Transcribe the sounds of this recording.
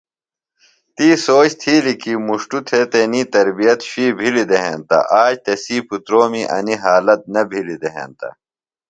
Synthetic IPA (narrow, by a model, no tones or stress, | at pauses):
t̪iːsoːt͡ɕt̪ʰiːlikimuʂʈut̪ʰet̪eniːt̪ɐɾbijɐt̪ɕiːbʱilid̪eɦḛnt̪ɐ̰ʔaːd͡ʑt̪esiːpʰut̪ɾoːmiʔɐ̰niɦaːlɐt̪̚nɐbʱilid̪eɦḛ̃ːnt̪ɐ̰